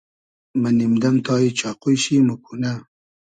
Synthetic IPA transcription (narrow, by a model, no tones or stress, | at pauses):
manimd̪ɐmt̪ɑːit͡ʃɑːqujʃimukuna